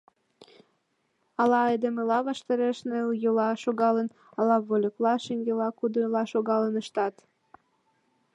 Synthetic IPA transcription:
ɑlɑɑjd̪emelɑβɑʃt̪əɾeʃneljolɑʃoɣɑlən | ɑlɑβolʲəklɑʃeŋɡelɑkud̪əlɑʃoɣɑlənəʃt̪ɑt̪

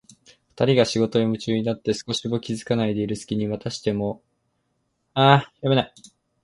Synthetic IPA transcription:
ɸɯ̥t̪aɾʲiɡaɕiɡo̞t̪o̞imɯ̟t͡ɕɨːɲ̟inat̪ːe̞sɨ̥ko̞ɕimo̞kʲizɨkanaid̪e̞iɾɯ̟sɨ̥kʲiɲ̟iβat̪aɕi̥t̪e̞mo̞ | ajome̞nai

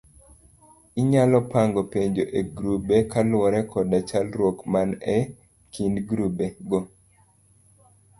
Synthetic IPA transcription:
iɲalɔpaŋɡɔpeɲd͡ʒoʔeɡɾubekalwɔɾɛkʰɔdat͡ʃalɾwokmanɛ | kindɡɾubeɡɔ

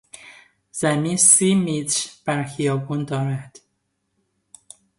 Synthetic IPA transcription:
z̥æmisiːmit̪ɾb̥æɾxijɒːbuːnd̪ɒːɾæd̪̥

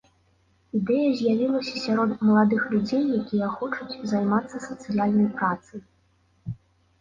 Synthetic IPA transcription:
id̪ɛjɐzʲjavʲilˠɐsʲɐsʲaɾɔt̪mɐlˠad̪ɨxlʲud͡zʲejːakʲijɛxɔt͡ʂut͡sʲzajmat̪sːɐsɐt̪sɨjalʲnɐjpɾat̪sɐj

